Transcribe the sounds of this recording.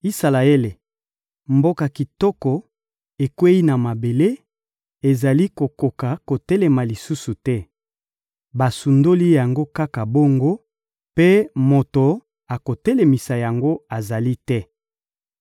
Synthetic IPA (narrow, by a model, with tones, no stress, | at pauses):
i˦sa˨la˨e˦le˨ | mbo˦ka˨ki˨tɔ˦kɔ˨ | e˨kwe˦i˦na˨ma˨be˨le˦ | e˨za˨li˦ko˨ko˨ka˨ko˨tɛ˦lɛ˨ma˨li˨su˦su˨tɛ˦ | ba˨su˨ndo˦li˦ja˨ŋɡo˦ka˦ka˨bo˦ŋɡo˦ | pe˦mo˨to˨ | a˨ko˨tɛ˦le˨mi˨sa˨ja˨ŋɡo˦a˨za˨li˦tɛ˦